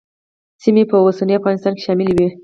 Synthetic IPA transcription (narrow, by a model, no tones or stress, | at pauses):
simepəosəniafɣɑnɪst̪ɑnke̥ʃɑmɪlwi